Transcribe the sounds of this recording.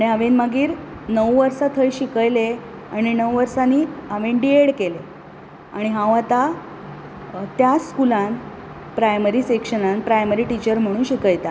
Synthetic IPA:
aɽ̃iɦaʋẽnmaɡiːɾnəwʋəɾsat̪ʰəjɕikəjle | aɽ̃inəwʋəɾsaniːaʋenɖieɽkele | aɽ̃iɦãwat̪a | t̪jaskulãn | pɾajməɾiːsekʂənãnpɾajməɾiːʈit͡ɕəɾm̤əɽ̃ũːnɕikəjt̪a

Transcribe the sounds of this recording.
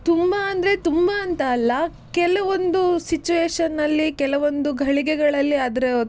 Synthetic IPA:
t̪umbɐːnd̪ɐɾe̞t̪umbɐːnt̪ɐːlːɐ | kɛlɐʋond̪usit͡ʃuʋeːʂɐnːɐlːikɛlɐʋo̞nd̪uɡʱɐɭiɡɛɡɐɭɐlːiɐd̪ɐɾe

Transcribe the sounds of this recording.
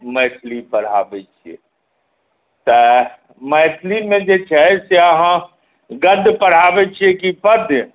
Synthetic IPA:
məjt̪ʰlipəɽ̤a̰bɛt͡ʃʰiḛ | t̪ə | məjt̪ʰlimed͡ʒet͡ʃʰɛseəɦã | ɡəd̪ʱːpəɽ̤abɛt͡ʃʰiɛkipəd̪ʱj

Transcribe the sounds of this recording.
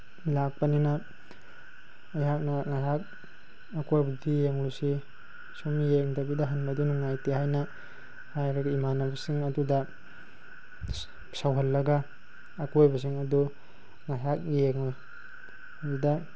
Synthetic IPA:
lak̚pɐninɐ | ajɦak̚nɐŋajɦak̚ | ɐkojbadijeŋlusi | somijeŋdabidɐɦanbɐdunuŋajteɦajnɐ | hajɾaɡimanabɐsiŋɐdudɐ | sawɦɐlːɐɡɐː | kojbɐs̬iŋɐdu | ŋajɦak̚jeŋ | bidɐ

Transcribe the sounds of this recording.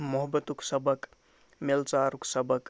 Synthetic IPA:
mɔɦbət̪uksəbək | melt͡saɾuksəbək

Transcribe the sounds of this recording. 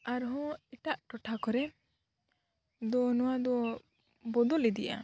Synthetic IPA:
aɾɦɔ̃iʈaʔʈɔʈʰakɔɾɛ | d̪ɔnɔwad̪ɔ | bɔd̪ɔlid̪ija̰

